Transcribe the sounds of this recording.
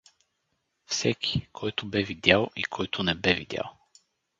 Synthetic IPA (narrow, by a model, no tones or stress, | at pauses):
fsɛkʲʰi̥kʰɔjt̪ʊbɛvid̪ʲalˠḭkʰɔjt̪ʰʊnɛbɛvid̪ʲja̰lˠ